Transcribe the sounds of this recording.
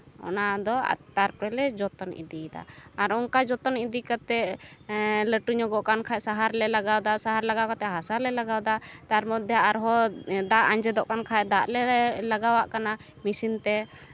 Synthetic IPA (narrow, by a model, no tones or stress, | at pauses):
ɔ̰nad̪ɔa̰t̪aɾpɾɛlɛd͡ʒɔt̪ɔnḭd̪id̪a̰aɾɔŋkad͡ʒɔt̪ɔnid̪ikat̪ɛ | ləʈuɲɔɡɔʔkankʰajsaɦaɾlɛlaɡawd̪asaɦaɾlaɡawkat̪ɛɦasalɛlaɡawd̪at̪aɾmɔt̪̚d̪ɛaɾɦɔd̪aʔaɲd͡ʒɛd̪ɔʔkankʰajd̪aʔlɛlaɡawaʔkana | misint̪ɛ